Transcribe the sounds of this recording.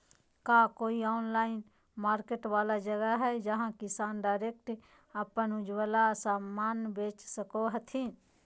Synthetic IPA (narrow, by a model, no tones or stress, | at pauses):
kaːkoːiɔːnlaːɪn | maːɾkeʈwaːlad͡ʒəɡəɦɛd͡ʒəɦãkɪsaːnɖaːɪɾeːk̚ʈ | əpənʊd͡ʒwəlasaːmːaːnbeːt͡ʃsəkoɦət̪ʰĩ